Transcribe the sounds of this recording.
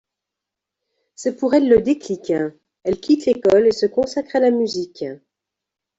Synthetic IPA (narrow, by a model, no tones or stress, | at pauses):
sɛpuʁɛlːəd̪eklikɛ̃ | ɛlkʲit̪lekɔlesəkɔ̃sakχalamyzikʲ